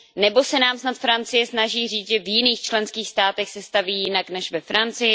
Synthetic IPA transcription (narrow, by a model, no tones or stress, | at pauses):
nɛbo̞sɛnaːmsnat̪fɾant͡sɪjɛsnaʒiːr̝iːt͡s̪ʒɛvjɪniːxt͡ʃlɛnskiːxst̪aːt̪ɛxsɛst̪aviːjɪnaknɛʃvɛfɾant͡sɪjɪ